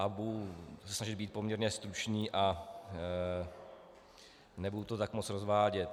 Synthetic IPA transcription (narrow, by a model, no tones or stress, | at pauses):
abuusɛsnaʒɪd̪biːt̪̚po̞mɲɛɾɲɛst̪ɾut͡ʃɲiːʔa | nɛbudut̪ot̪akmot͡sɾozvaːɟɛt̪